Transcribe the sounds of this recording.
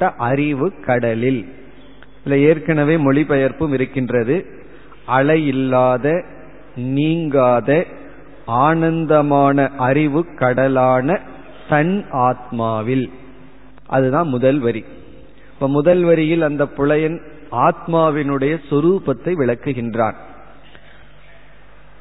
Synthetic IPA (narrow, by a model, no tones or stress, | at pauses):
ʈːɐʔɐɾɪʋɯkːɐɽɐlɪl | ɪlːɐeːrkɐnɐʋeːmɔɭɪpɐjɐɾpɯmɪɾɯkːɪndrɐðɯ | ʔɐɭɐjɪlːaːðɐ | niːŋɡaːðɐ | aːnɐnd̪ɐmaːnɐʔɐɾɪʋɯkːɐɽɐlaːnɐ | t̪ɐnaːt̪̚maːʋɪl | ʔɐ̰ðɯðãːnmʊðɐlʋɐɾi | pːɐːmʊðɐlʋɐɾɪjɪlɐnd̪ɐpːʊɭɐjɐn | aːt̪̚maːʋɪnɯɽɐjɐsʊɾuːpɐt̪ːɐɪʋɪɭɐkːɯɣɪndra̰ːn